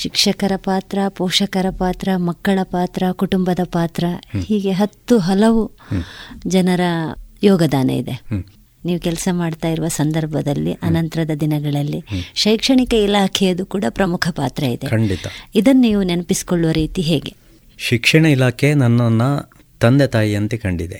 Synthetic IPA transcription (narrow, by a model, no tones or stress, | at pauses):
ʃikʂɐkɐɾɐpaːt̪ɾɐpɔːʂɐkɐɾɐpaːt̪ɾɐmɐkːɐɭɐpaːt̪ɾɐkuʈumbɐd̪ɐpaːt̪ɾɐhiːɡe̞ɦɐt̪ːuɦɐlɐʋu | d͡ʒɐnɐɾɐjɔːɡɐd̪aːnɐ̰ḭd̪e̞ | niːʋukɛlsɐmaːɖt̪aːjiɾuʋɐsɐnd̪ɐɾbʱɐd̪ɐlːḭʔɐnɐnt̪ɐɾɐd̪ɐd̪inɐɡɐɭɐlːiʃɐjkʂɐɳikɐilaːkʰɛjɐd̪ukuːɽɐpɾɐmukʰɐpaːt̪ɾɐid̪ekɐɳɖit̪ɐid̪ɐnːniːʋunenɐpisi̥koɭːuʋɐɾiːt̪iɦeːɡe̞̰ | ʃikʂɐɳɐilaːkʰenɐnːɐnːɐ | t̪ɐnd̪et̪aːjiɐnt̪ekɐɳɖid̪e